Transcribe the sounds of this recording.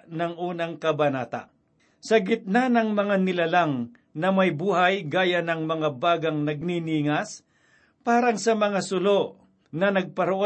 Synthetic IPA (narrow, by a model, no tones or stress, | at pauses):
nɐŋʔuːnɐŋkɐbɐnaːt̪a̰ʔ | sɐɡɪt̪̚nanɐŋmɐŋanɪlalaŋ | nɐmɐjbuːhajɡaːjanɐŋmɐŋabaːɡɐŋnɐɡ̚niniŋas | paːɾɐŋsɐmɐŋasʊloʔ | nɐnɐɡ̚pɐɾʊʔo